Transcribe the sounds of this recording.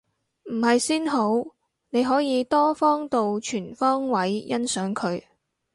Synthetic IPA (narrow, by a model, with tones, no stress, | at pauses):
m̩˨˩hɐ˨jsiː˥nɦo˨˥w | ne˨˧jɦɔː˨˥jiː˨˧t̪ɔː˥fɔː˥ŋt̪o˨wt͡ʃʰyː˨˩nfɔː˥ŋwɐ˨˥jjɐ˥nsœː˨˥ŋkʰɵ˨˧ɥ